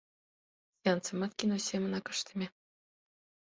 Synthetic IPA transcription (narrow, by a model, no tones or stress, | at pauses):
sʲiɑnt͡sɤ̆mɑt̪kʲinosʲemɤ̆nɑkɤ̥̆ʂt̪ʲɤ̆mʲĕ